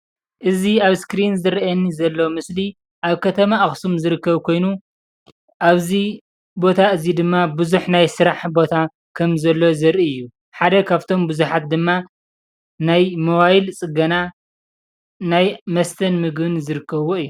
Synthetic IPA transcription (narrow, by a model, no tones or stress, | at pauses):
ʔɨziaβskɾinzɨɾɐɐnːizɐlːo̞mɨsli | ʔaβkʰɐt̪ʰɐmaʔɨxsumzɨɾɨkːɐβkʰo̞jnu | ʔaβzi | bo̞t̪ʰaɨzid̪ɨmːabɨzuħnajsɨɾaħbo̞t̪ʰa | kʰɐmzɐlːo̞zɐɾʔiɨjːu | ħad̪ɐkʰaβt̪ʰo̞mbɨzuħat̪̚d̪ɨmːa | najmoβajilt͡sʼɨɡɐna | najmɐst̪ʰɐnmɨɡbɨnzɨɾɨkʰːɐβoɨjːu